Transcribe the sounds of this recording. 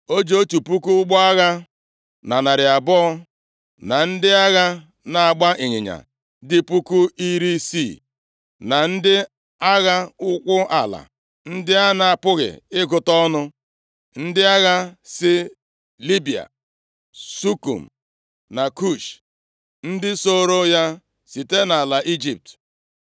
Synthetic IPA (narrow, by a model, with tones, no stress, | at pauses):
o˦d͡ʒoo˦tu˨pu˦ku˦ɡ͡bɔ˦a˦ɣa˦ | na˨na˨ɾɪ˨a˨bɔː˦ | na˨n̩˦dɪ˦a˦ɣa˦ | na˨a˨ɡ͡ba˦ʔe˨ɲɪ˨ɲa̰˨ | dɪ˦pu˦ku˦i˦ɾi˦si˦˨ | na˨n̩˦dɪ˦ | a˦ɣa˦ʊ˦kʷʊ˦a̰˨la̰˨ | n̩˦dɪ˦a˦na˨a˨pʊ˦ɣɪ̰˨ɪ˦ɡʊ˨tɔ˦nʊ˦ | n̩˦dɪ˦a˦ɣa˦sɪ˦ | li˦bi˨a̰˨ | su˦kṵ˨m̩˨ | na˨ku˦˨ʃ | n̩˦dɪ˦so˦ɾo˦ja˦ | si˨te˦na˨la˨ʔi˦d͡ʒi˨p̚t